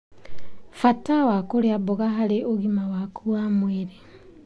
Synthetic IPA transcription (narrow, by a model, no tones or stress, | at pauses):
fatawakoɾeaboɣaɦaɾeʔoɣimawakʰuamweɾe